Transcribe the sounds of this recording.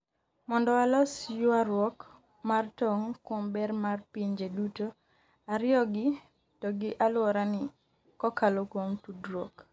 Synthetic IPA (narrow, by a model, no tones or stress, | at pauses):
mɔndɔalɔsjʊaɾwɔk | martɔŋkwombɛrmarpiɲd͡ʒeduto | aɾɪɔɡɪ | tɔɡɪʔalwɔɾanɪ | kɔkalokwomtudɾwɔk